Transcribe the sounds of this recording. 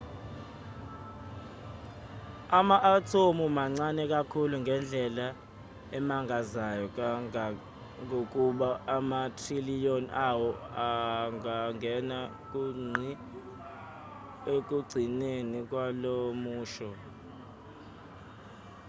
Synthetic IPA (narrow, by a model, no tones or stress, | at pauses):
amaʔatʰomumaŋ͡ǀanɛk̬ʼakʰuluŋɡʱɛnd͡ɮʱɛla | ɛmaŋʱazajɔ | ŋok̬ʼuɓaːmatʰrilijonawɔaŋaŋʱɛna | k̬ʼuŋ͡ǀʱi | ek̬ʼuɡ͡ǀʱinenik̬ʼwalomuːʃɔ